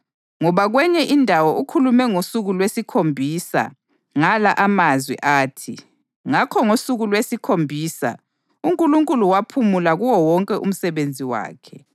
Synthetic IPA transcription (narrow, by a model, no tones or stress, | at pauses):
ŋɔβaɣwɛɲɛʔindʱawɔʔukʰulumɛŋosuɣulwesikʰombʱiːsa̰ | ŋalaʔamazwɛ̰ʔaːtʰi | ŋakʰɔŋosuɣulwesikʰombʱiːsa̰ | uŋkʼuluŋkʼuluwapʰumulaɣuwɔwɔŋkʼɛʔṵm̩sɛβend͡zʱiwa̰ːkʰɛ